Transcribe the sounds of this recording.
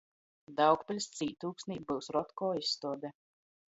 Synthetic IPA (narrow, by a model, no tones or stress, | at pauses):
d̪awkpɨlʲst̪siːt̪uːksniːbɨwsɾɔt̪kɔːisːt̪uɔd̪ɛ